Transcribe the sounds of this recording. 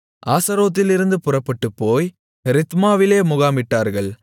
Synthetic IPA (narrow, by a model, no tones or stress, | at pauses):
ʔaːsɐɾoːt̪̬ːɪlɪɾɯnd̪ɯpʊrɐpːɐʈːɯpːoːj | ɾɪt̪maːʋɪleːmʊɣaːmɪʈːaːɾɣɐɭ